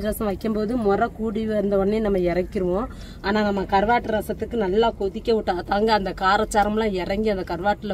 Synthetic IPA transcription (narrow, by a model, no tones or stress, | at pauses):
ɾɐsɐ̃ʋɐɪkːɯmpoːðɯmɔrɐkuːɽiʋnd̪ɐɔɳːenɐmːɐɪɾɐkːɪɾɯʋõ | aːnaːnɐmːɐkɐɾʋaːʈːɯɾɐsɐt̪ːɯkːɯnɐlːaːkɔðɪkʲːɐʋɪʈːaːt̪aːŋɡɐːnd̪ɐkaːɾɐt͡ʃːaːɾɐmlãːɪɾɐŋɡiɐnd̪ɐkɐɾʋaːʈːɯl